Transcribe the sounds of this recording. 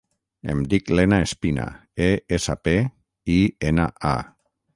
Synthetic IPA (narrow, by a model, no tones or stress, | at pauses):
ḛmd̪iklenaespina̰ | eesape | ienaʔa̰